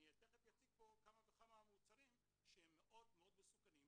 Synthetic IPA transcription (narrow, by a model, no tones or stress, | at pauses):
iateχet̪jat͡sik̚po̞kamavekamamut͡saʁim | ʃehemːeʔo̞d̪meo̞d̪mesukanim